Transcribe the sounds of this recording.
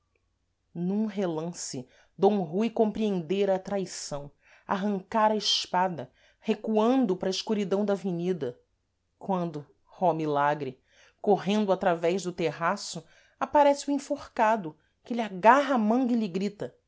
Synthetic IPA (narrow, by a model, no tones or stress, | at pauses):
nũɦelɐ̃sɪ | d̪õw̃ɦujkõmpɾiẽnd̪eɾɐt̪ɾajsɐ̃w̃ | a̰ɦɐ̃ŋkaɾɐɪʃpad̪ɐ | hekuɐ̃nd̪ʊpɾɐɪʃkuɾid̪ɐ̃w̃d̪ɐvɪnid̪ɐ | kwɐ̃nd̪ʊ | hɔmilaɡɾɪ | koɦẽnd̪ʊat̪ɾavɛzd̪ʊt̪eɦasʊ | apaɾɛsɪuĩfoχkad̪ʊ | kɪliaɡaɦɐamɐ̃ŋɡɪliɡɾit̪ɐ